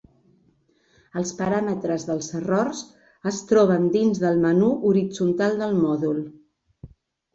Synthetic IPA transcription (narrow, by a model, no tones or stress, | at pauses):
əlˠspəɾamət̪ɾəzðəlˠzərɔrz | əst̪ɾɔβ̞ənd̪inzðəlˠmənuʔuɾid͡zunt̪alˠd̪əlˠmɔðulˠ